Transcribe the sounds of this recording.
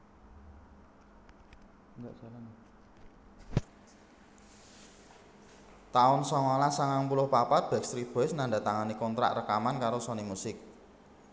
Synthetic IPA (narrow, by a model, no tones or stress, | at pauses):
ŋɡaʔsaɾan | t̪aʊnsɔŋalasaŋaŋpulʊhpapat̪̚b̥ɛ̤kst̪ɾib̥oɪsnaɳɖa̤t̪aŋanikɔnt̪ɾa̰ʔrəkamankaɾosɔnimusɪk̚